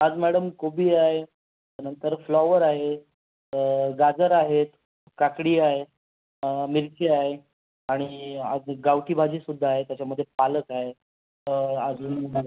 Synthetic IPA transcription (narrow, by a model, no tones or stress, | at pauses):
ad͡zmæɽəmkobiːaɦe | t̪əɾnənt̪əɾflɔʋəɾaɦe | əɡad͡zəɾaɦet̪ | kakɽiːaɦe | miɾkʰeaɦe | aɽ̃iad͡zɡawʈiːbʱad͡ʑiːsud̪ʱːaːɦet̪jat͡ɕaməd̪ʱːjepaləkaɦe | ad͡zunna